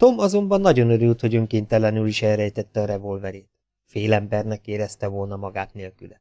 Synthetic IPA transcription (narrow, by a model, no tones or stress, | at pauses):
t̪o̞mɒzo̞mbɒnːɒɟo̞nøɾylt̪ho̞ɟøŋkeːnt̪ɛlɛnyliʃɛlɾɛjt̪ɛt̪ːɛɒɾɛvo̞lvɛɾeːt̪̚ | feːlɛmbɛrnɛkeːɾɛst̪ɛvo̞lnɒmɒɡaːt̪neːlkylɛ